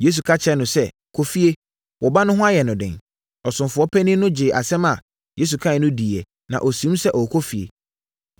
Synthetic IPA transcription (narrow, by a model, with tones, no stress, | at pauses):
je˦s̬u˨kʰa˦t͡ɕʰɛ˦nʊ̃˨sɛ˦ | kʰo˨fi˦e˦ | wɔ˨ba˦nʊ̃˦ɦʊ̃˦a˦jɛ˨nʊ̃˨dɪ̰̃˨n | ɔ˨sʊ̃˨mfʊ˨ɔ˦pʰæ˦nɪ̃˦nʊ̃˦d͡ʑɪ˨ʔa˨sɛ˦ma˨ | je˦s̬u˨kʰa˦ɪ˨nʊ̃˦di˨ɛ˨ | nã̰˨ʔo˨sĩ˨˦m˦sɛ˦ʔɔ˨kʰo˦fi˨ḛ˨